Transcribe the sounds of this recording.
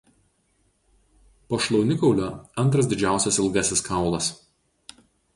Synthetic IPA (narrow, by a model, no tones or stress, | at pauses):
poːʃlˠɔʊnʲɪkɒʊlʲoːɐnt̪ɾɐsd̪ʲɪd͡ʒʲæˑʊsʲɛsɪlˠɡɐsʲɪskɑˑʊlˠɐs